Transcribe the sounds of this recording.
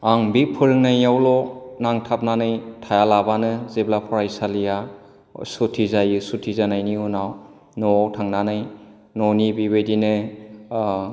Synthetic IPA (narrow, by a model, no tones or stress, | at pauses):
aŋbik̚pʰɯɾɯŋnajawlɔnaŋtʰap̚nanɯjtʰajalabanɯzeblapʰɔɾajsalija | sutʰizajɯsutʰizanajniunaw | nɔtʰaŋnanɯj | nɔnibibejdinɯ